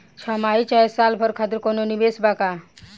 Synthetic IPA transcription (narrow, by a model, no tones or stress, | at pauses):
t͡ɕʰamaɦit͡ɕaesalpʰəɾkʰat̪̬iɾkononibesbaka